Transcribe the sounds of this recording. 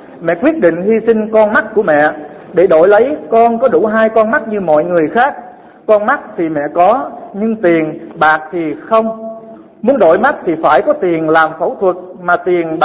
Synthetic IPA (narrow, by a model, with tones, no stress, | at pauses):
mɛ̰˧˨kwi˦˥ət̚ɗḭ̈˧˨ŋ̟hi˧sï˧ŋ̟kɔ˧nma˦˥t̚kːu˧˩əmɛ̰˧˨ | ɗe˧˩ɗo̰˧˩˨jlə˨˦jkɔ˧nkɔ˨˦ɗu˧˩ɦaː˧jkɔ˧nma˦˥t̚ɲɨ˧mɔ̰˧˨jŋɨ˨˩əjxaː˦˥k̚ | kɔ˧nma˦˥t̚t̪ʰi˨˩mɛ̰˧˨kɔ˨˦ɲɨ˧ŋt̪i˨˩ənɓaː˨˩k̚t̪ʰi˨˩xə˧wŋ͡m | mu˨˦ənɗo̰˧˨jma˦˥t̚t̪ʰi˨˩faː˧˩jkɔ˨˦t̪i˨˩ənlaː˨˩mfə˧˩wt̪ʰwə˨˩t̚ | maː˨˩t̪i˨˩ənɓ